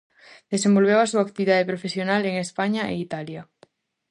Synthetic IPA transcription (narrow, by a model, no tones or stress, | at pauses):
d̪esembo̞lβ̞ewasuak̚t̪iβiðað̞epɾofesjonaleŋespaɲaʔḛit̪alja